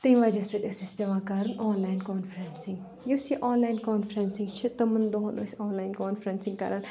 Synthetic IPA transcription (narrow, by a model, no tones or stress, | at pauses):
t̪ĩnʋɐd͡ʒɐsɐt̪esespʲeʋãːkaɾɐnɔːnlaːɪnkɔːnfɾensɪ̃ŋɡ | jusiʔɔːnlaːɪnkɔːnfɾensɪ̃ŋɡt͡ʃʰit̪ɐmɐnd̪oɦɐno̰sʲɔːnlaːjnkɔːnfɾensɪ̃ŋɡkɐ̰ɾan